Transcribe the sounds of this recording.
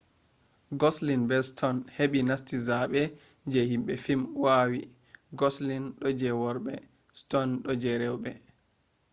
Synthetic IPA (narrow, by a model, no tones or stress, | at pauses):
ɡɔslinbɛstʰɔnheɓinastizaɓɛ | d͡ʒɛhimɓɛfimwawi | ɡɔslinɗɔd͡ʒɛwɔɾɓɛ | stɔnɗɔd͡ʒɛɾɛwɓɛ